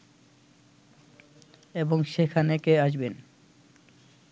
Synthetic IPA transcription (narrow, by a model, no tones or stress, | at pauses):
eboŋʃekʰanekeaʃben